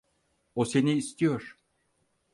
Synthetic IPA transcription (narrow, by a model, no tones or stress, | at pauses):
ose̞niːst̪ijoɾ